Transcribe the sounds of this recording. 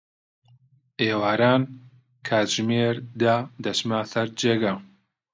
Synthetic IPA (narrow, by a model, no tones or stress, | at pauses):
eːwaːɾaːn | kʰaːt̪ʒ̥meːɾd̪ad̪ɐʃmaːsɐɾd͡ʒeːɡa